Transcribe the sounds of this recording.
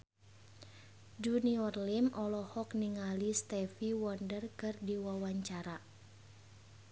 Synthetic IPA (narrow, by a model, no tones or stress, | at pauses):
d͡ʒuniɔrlimʔɔlɔhɔkniŋalist̪ɛfiwɔndərkɨrdiwawaɲt͡ʃaɾa